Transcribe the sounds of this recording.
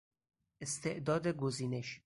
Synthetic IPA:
est̪ʰeʔd̪ɒːd̪eɡoziːneʃ

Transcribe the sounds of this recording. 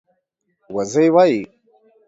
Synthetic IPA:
wɐzejwaji

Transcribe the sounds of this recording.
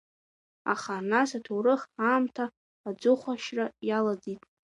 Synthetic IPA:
a̰χanasatʰowɾɨχaːmtʰaː | d͡zʊχʷaʃrajalad͡zitʼ

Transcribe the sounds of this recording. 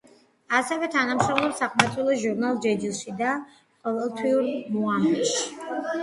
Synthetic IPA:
asɛvɛt̪ʰanamʃɔmlˠɔpsaqʼmat̪ʰʼilˠɔʒuɾnalˠd͡ʒɛd͡ʒilˠʃid̪a | qʼɔvɛlˠt̪ʰwiuɾmɔamɛʃi̥

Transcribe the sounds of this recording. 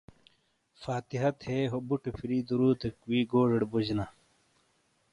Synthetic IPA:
faːt̪iɦɐt̪heːɦobuʈepʰiɾiːd̪uɾuːt̪ʰekwiːɡoːʐɐɽbud͡ʑna

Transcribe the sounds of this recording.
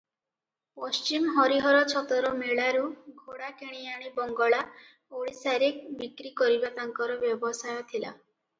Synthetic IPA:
pɔst͡ʃimɦɔɾiɦɔɾɔt͡ʃʰɔt̪ɔɾɔmeɭaɾuɡʱoɽakeɽ̃iaɽ̃ibɔŋɡɔɭa | oɽisaɾik̚bikɾikɔɾibat̪aŋkɔɾɔbjɔbɔsajɔt̪ʰila̰

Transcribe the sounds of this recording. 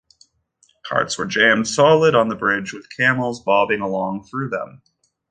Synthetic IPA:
kʰɑ̰ɹtswə˞d͡ʒæ̃md̥sɑlˠəɾn̩ðəbɹɪd͡ʒwɨð̥kʰæml̩ˠzbɑbɪ̃ŋəlɔ̃ŋθɹʉðə̰̃m

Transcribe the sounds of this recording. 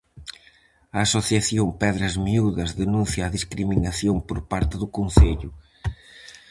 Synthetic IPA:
ɐːsoθjɐθjõmpɛðɾɐzmiuðɐzðenũnθjaːðiskɾiminɐθjõmpoɾpaɾt̪ɪðʊkõnseʎʊ

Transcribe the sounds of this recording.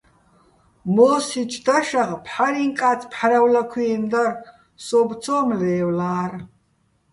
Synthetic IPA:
mosit͡ʃʰʼdaʃaʁpʰħaɾiŋkʼat͡sʰʼpʰħaɾawlakʷʰiːnd̪ar | sobt͡sʰomleːwlaːr

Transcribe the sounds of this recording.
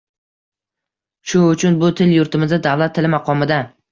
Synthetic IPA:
ʃʊʊt͡ʃʰʊnbʊt̪ʰɪljʊɾt̪ʰɪmɪzad̪avlat̪ʰːɪlɪmaqʰɒmɪd̪a

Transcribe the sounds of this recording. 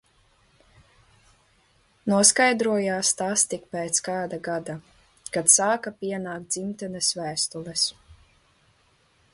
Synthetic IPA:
nuɔskajd̪ɾuɔjaːst̪ast̪ik̚pɛːt̪skaːd̪aɡad̪a | kat̪saːkapiɛnaːkt̪d̪z̥imt̪ɛnɛsvæːst̪ulɛs

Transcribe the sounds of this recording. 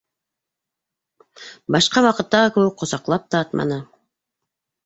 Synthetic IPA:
bɑʃqɑwɑqɯt̪ːɑʁɯkɵw̚qʰosɑqlˠɑp̚t̪ɑːt̪mɑ̰nɯ

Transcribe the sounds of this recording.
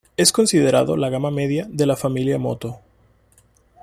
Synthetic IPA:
e̞sko̞nsið̞e̞ɾa̰ðo̞̰laɣamame̞ðjaðe̞lafamiljamo̞̰t̪o̞

